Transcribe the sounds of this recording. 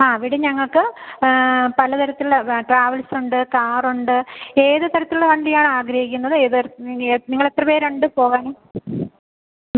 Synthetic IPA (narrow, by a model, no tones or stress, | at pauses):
aːʋiɽeɲɐŋːɐɭkɨ | pɐlɐt̪ɐɾɐt̪ːileʈraːʋɐlsuɳɖɨkaːruɳɖɨe̞ːðɨt̪ɐɾɐt̪ːilɽeʋɐɳɖijaːɳɨaːɡɾɐhɦikʲːunːɐðɨeːð | niŋːɐɭet̪ːrɐpeːɾe̞ɳɖɨpo̞ːɣaːnɨː